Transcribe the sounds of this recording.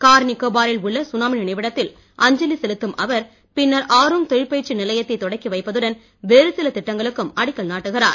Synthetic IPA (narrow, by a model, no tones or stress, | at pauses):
kaːɾnɪkːoːbaːɾɪlʊɭːɐsʊnaːmɪnɪnɐɪʋɪɽɐt̪ːɪl | ʔɐɲd͡ʒɐlisɛlɯt̪ːɯmʔɐʋɐɾ | pɪnːɐɾʔaːɾɯŋt̪ɔɻɪɾpeːɾt͡ʃːɯnɪlɐjɐt̪ːɐɪt̪ːɔɽɐɪkːiʋɐɪpːɐðɯɽɐn | ʋeːɾɯsɪlɐt̪ɪʈːɐŋɡɐɭɯkːɯmɐɽɪkːɐlnaːʈːɯɣɪraːɾ